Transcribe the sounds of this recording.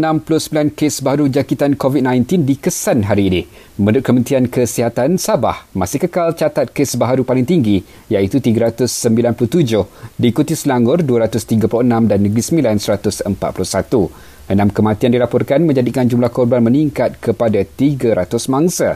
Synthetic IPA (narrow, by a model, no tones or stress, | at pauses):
ənãmplʊhsəmbilankesbaɦaɾud͡ʒakit̪ankovit̪̚nãjnt̪indikəsanɦaɾiːni | mə̃ndʊt̪̚kəmənt̪iankəsiɦat̪ansaba̰hmasɪhkəkalt͡ʃat̪at̪̚kesbaɦaɾupalɪŋt̪iŋɡi | jait̪ut̪iɡaɾat̪ʊsːəmbilanplʊht̪ud͡ʒʊhdiːkut̪isəlaŋɡʊrduaɾat̪ʊst̪iɡapulʊənãmdanːəɡɾisəmbilansəɾat̪ʊsəmpa̰t̪̚pulʊhsat̪u | ʔənãmkəmãt̪iandilapɔrkanmə̃ɲd͡ʒadikand͡ʒumlahkɔrbanmə̃niŋkat̪̚kʰəpadat̪iɡaɾat̪ʊsmãŋsa